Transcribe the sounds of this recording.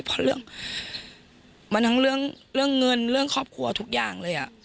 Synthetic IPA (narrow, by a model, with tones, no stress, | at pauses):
pʰɔ˧˥lɯ˥˩əŋ | maː˧˥nt̪ʰa˦˥ŋɾɯ˥˩əŋ | ɾɯ˥˩əŋːɤ˧nɾɯ˥˩əŋkʰɔː˥˩p̚kʰu˧ɐ˧t̪ʰu˦˥k̚jaː˧˩ŋlɤː˧jʔa̰˨˩ʔ